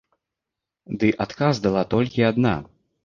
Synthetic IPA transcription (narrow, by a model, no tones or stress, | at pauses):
d̪ɨʔat̪kazd̪alˠat̪ɔlʲkʲiad̪na̰